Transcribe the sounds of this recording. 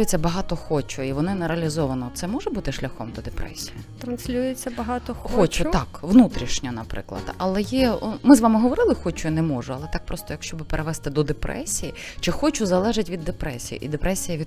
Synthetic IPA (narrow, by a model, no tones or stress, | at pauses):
jet͡sʲːɐbɐɦɑt̪ɔxɔt͡ʃʊiʋɔnɪnɐɾɐlʲizɔʋɐnɔt̪sɛmɔʒɛbut̪ɪʃlʲɐxɔmd̪ɔd̪epɾɛ̰sʲijit̪ɾɐnsʲlʲujet͡sʲːɐbɐɦɑt̪ɔxxɔt͡ʃʊt̪ɑkʋnut̪ɾʲiʃnʲɐnɐpɾɪ̰klˠɐ̰d̪̥ɐlˠɛjɛmɪzʋɑmɪɦɔʋɔɾɪlˠɪxɔt͡ʃʊinɛmɔʒʊɐlˠɛt̪ɑk̚pɾʔɔst̪ɔjɐkʃt͡ʃɔbɪpeɾʔeʋɛst̪ɪd̪ɔd̪epɾʔɛ̰sʲijit͡ʃɛxɔt͡ʃʊzɐlˠɛʒɪtʲʋʲid̪ːepɾɛsʲijḭʔid̪epɾɛsʲijɐʋʲid̪